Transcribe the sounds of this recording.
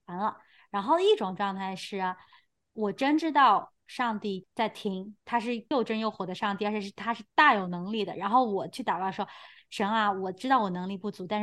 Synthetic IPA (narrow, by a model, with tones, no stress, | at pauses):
a˧˥nlə˧ | ɻa˧˥nxo˥˩ʊd̪ə˩i˥˩ʈ͡ʂʊ˨˩ŋʈ͡ʂwɑ˥˧ŋt̪ʰa˥˧ɪʂɻ̩˥˩ɐ˩ | wɔ˨˩ʈ͡ʂə˥nʈ͡ʂɻ̩˥t̪ɑ˥˧ʊ | ʂɑ˥˧ŋt̪i˥˩t͡sa˥˩ɪt̪ʰi˥ŋt̪ʰa˥ʂ̬ɻ̩˥˧jo˥˩ʊʈ͡ʂə˥njo˥˩ʊxwɔ˨˩d̪ə˧˦ʂɑ˥˧ŋt̪i˥˩ə˞˧˥t͡ɕʰɛ˨˩ʂɻ̩˥˩t̪ʰa˥ʂɻ̩˥˧t̪a˥˩jo˨˩ʊnɤ˧˥ŋli˥˩d̪ə̰˩ɻa˧˥nxo˥˩ʊwɔ˨˩t͡ɕʰy˥˩t̪ɑ˨˩kɑ˥˩ʂwɔ˥ʂə˧˥na˧wɔ˨˩ʈ͡ʂɻ̩˥t̪ɑ˥˩ʊwɔ˨˩nɤ˧˥ŋli˥˧pu˥˩t͡su˧˥a˥˧nʂ